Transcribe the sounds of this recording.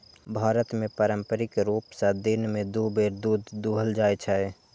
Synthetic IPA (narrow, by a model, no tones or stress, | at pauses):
bʱaːɾət̪mẽpəɾə̃mpəɾɪkɾuːpsad̪ɪnmẽd̪oːbeːɾd̪uːd̪d̪uːɦəld͡ʒaːet͡ʃʰae